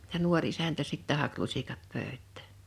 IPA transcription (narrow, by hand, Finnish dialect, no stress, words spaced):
jɑ nuorʲ isæntæ sitːæ hɑk lusikɑt pøˑø̝tˑæ̥ˑ